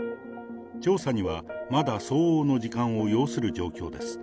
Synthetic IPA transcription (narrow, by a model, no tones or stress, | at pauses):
t͡ɕo̞ːsaɲ̟iβamad̪aso̞ːoːno̞ʑikãɰ̃o̞jo̞ːsɨɾɯ̟d͡ʑo̞̰ːkʲo̞ːd̪e̞sɨ̥